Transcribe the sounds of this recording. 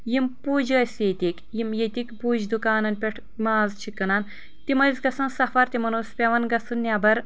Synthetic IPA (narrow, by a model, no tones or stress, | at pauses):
jimpuːd͡ʒɡɐsjet̪ʲikʲjimjet̪ʲikʲpuːd͡ʒd̪ukaːnɐnpʲeʈʰ | maːzt͡ʃʰikɐnaːn | t̪imɐzʲɡɐsɐnsɐfɐɾt̪ʲimɐnuːspʲeʋɐnɡɐsɨnːʲaːbɐɾ